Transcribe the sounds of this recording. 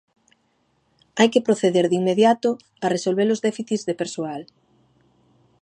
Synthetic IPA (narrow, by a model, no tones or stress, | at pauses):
ajkɪpɾoθeðeɾðiŋmeðjat̪ʊ | aresolβeɾozðɛfiθizðepeɾsoal